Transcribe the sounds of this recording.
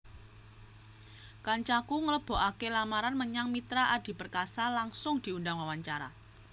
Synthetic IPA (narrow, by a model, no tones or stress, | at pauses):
kaɲt͡ʃakuŋələb̥ɔ̤ʔakelamaɾanməɲaŋmit̪ɾaʔad̥i̤pərkasalaŋsʊŋd̥i̤undaŋwawaɲt͡ʃaɾa̰